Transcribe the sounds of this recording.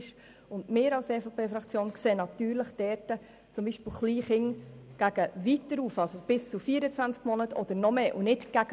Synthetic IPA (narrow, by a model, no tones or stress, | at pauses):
ʃ | ʊndmɪːɾɑwsɛːfɑpʰeːfɾɑkt͡sjoːnkseːnɑtyːɾləχd̥ɛːɾtə | t͡sʊmbiːʃpɪlχliːχɪŋɡ̥æɡ̥əʋitːəɾuːfɑlsob̥ɪst͡sufiːəɾət͡sʋænt͡skmɔnətʰɔd̥̪əɾnɔmeːʔunɪtɡ̥æɡ